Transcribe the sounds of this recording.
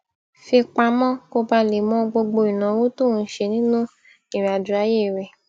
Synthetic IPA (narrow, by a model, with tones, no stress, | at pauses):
fi˧k͡pa˧mɔ̃˦ko˧ba˧le˨mɔ̃˦ɡ͡bo˧ɡ͡bo˧i˨nã˨˦wo˦tu˦˨ũ˨˦ʃe˧nĩ˦nũ˦ | i˨ɾa˨du˨ɾa˨˦je˦˨ɾɛ˨